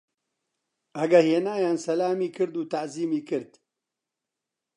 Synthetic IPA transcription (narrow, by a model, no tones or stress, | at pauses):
ʔɐɡɐheːnaːjaːnsɐlaːmiːkɨɾd̪uːt̪aʔziːmiːkɨɾd̪